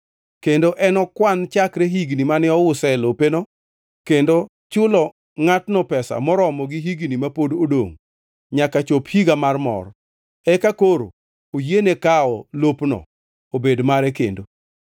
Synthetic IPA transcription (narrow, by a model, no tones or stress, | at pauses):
kendoʔɛnɔkwant͡ʃakɾeɦiɡnimanɪɔwʊsɛlopenɔ | kendo | t͡ʃʊlɔ | ŋatnɔpɛsa̰mɔɾɔmɔɡiɦiɡnimapododo̰ŋ | ɲakat͡ʃophiɡamarmɔ̰r | ɛkakoɾo̰ | ojenekaɔlopnɔ̰ | obedmaɾɛkḛndo